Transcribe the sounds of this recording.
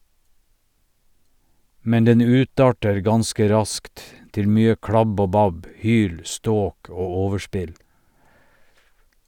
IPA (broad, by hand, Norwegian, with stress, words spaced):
ˈmɛn ˈdɛn ˈʉːˌtɑːʈəɾ ˈɡɑnskə ˈɾɑskt ˈtɪl ˈmyːə ˈkɽɑb ˈoː ˈbɑb ˈhyːl ˈstoːk ˈoː ˈoːʋəˌʃpɪl